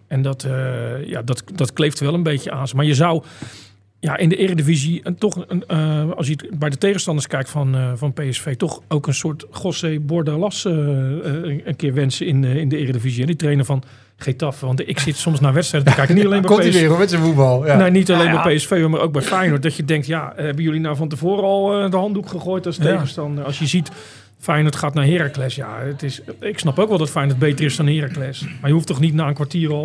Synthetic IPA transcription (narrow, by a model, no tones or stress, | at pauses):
ɛndɔtəja̰dɔtdɔtklejftʋɛlˠənbejcəaːnsəmaːɹjəzɔw | jaʔɪndəʔɪːrədəvizitɔχ | ɑlˠs̬jətbɛjdətejɣənstɑndəɹskɛjk̚tfɔnvɔnpejɛsfejtɔχowkənsʊːɹtχɔsejbɔɹdalɑsə | ənkɪːɹʋɛnsəɪnɪndəɪːrədəviziɛnditrejnəɹvɔn | χetɑfʋɑntɪksɪtsɔmsnaːʋɛtstrɛjdədɔkɛjknitɑlejnbɛomɛtsəfubɑlˠnɛnitalejnbɛjpeɛsfejəmaːɾʔowk̚bɛjfɛjnɔt̚dɔtjədɛŋk̚tjahɛbənjølinawfɔntəvoːɾəɔlˠədəɦɑndukχəχoːjtɑlˠstejɣəstɑndərɑlˠsjəzit | fɛjnɔtχaːtnaɦɪːɾaklɛsja̰ətɪsɪksnɑpowkʋɛlˠdɔtfajnɔt̚bejtərɪsdɔnhɪːraklɛsmaɹjəuftɔχnitnaːənkʋaɹtiːrɔlˠ